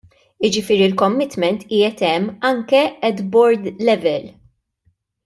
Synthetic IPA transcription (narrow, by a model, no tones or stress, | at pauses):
ɪd͡ʒɪfɪːɾiɪlkɔmːɪt̪mɛnt̪iːjɛt̪ɛmːɐŋkɛɛd̪bɔɾd̪lɛvɛl